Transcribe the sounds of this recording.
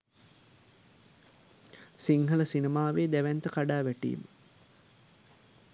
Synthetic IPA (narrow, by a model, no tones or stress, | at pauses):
siŋɦələsinemaːʋeːd̪æʋænt̪əkaɖaːʋæʈḭːmə